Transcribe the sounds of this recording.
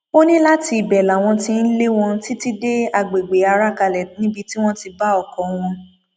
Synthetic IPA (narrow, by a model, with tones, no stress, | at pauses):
o˦nĩ˦la˦ti˧˨bɛ˨la˨w̃ɔ̃˧tĩ˧n̩˦le˦w̃ɔ̃˧˦ti˦ti˦de˦a˧˨ɡ͡be˨ɡ͡be˨˦a˧ɾa˦ka˧lɛ˨nĩ˦bi˧ti˦w̃ɔ̃˦ti˧ba˦ɔ˦˨kɔ̃˨˦w̃ɔ̃˧